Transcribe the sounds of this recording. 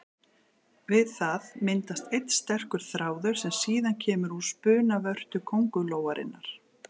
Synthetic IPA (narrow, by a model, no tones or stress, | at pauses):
vɪðθaðmɪnt̪ast̪ejt̪st̪ɛr̥kʏɾ̥θɾaːwðʏɾ̥sɛmsiːðancʰɛːmʏɾuspʏːnavœr̥t̪ʏkʰowŋkʏloːwaɾʔɪ̰nːaɾ̥